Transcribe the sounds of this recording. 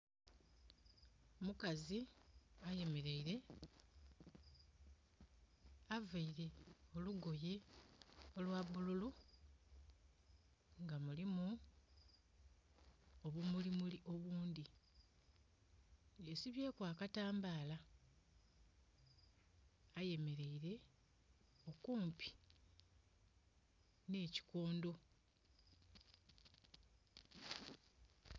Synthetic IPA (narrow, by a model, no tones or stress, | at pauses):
mukaziaje̞me̞ɾe̞iɾe̞ | avaiɾe̞o̞luɡo̞ji | o̞lwaβululu | ŋɡamulimu | oβumulimuliʔo̞βuːnd̪i | jesiβje̞ːkwaːkataːmbaːla | aje̞me̞ɾe̞iɾe̞ | o̞kuːmpi̥ | ne̞ːci̥ko̞ːndo̞